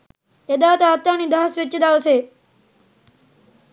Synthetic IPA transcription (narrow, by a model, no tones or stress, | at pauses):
ed̪aːt̪aat̪janiːd̪ʱaːsʋɪt͡ʃːɪd̪aʋseː